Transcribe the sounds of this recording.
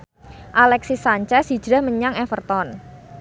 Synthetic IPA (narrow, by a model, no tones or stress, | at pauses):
ʔalɛksisaɲt͡ʃɛsi̥d͡ʒɾahməɲaŋɛfərt̪ɔn